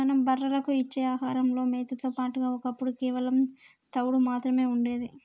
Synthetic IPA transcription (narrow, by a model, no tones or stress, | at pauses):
mɐnɐmbɐrːɐlɐkuit͡ʃːe̞ːaːɦaːɾɐmlo̞ːmeːt̪ɐt̪oːpaːʈuɡaːɔkɐpːuɽukɛːʋɐlɐm | t̪ɐwɽumaːt̪ɾɐme̞ːuɳɖe̞ːd̪i